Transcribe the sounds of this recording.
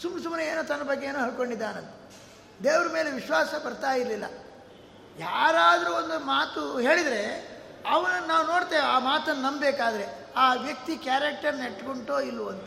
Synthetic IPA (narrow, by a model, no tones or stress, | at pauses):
sumɐsumnɐeːnuːt̪ɐnːɐbɐɡːeeːnuːɦɐɭko̞ɳɖid̪ːaːnɐlːɐ | d̪eːʋɾɐmeːleʋiʃʋaːsɐbɐɾt̪aːjiɾlilːɐ̰ | jaːɾaːd̪ɐɾuːond̪umaːt̪uɦe̞ːɭid̪ɾe̞ɐʋɐnɐnaːʋuno̞ːɽt̪eːaːmaːt̪ɐnːɐnɐmbbeːkaːd̪ɐɾe̞ | aːʋjɐk̚t̪ikjaːɾɐk̚ʈɐɾneʈːkoɳʈoːilːuɐnt̪ɐ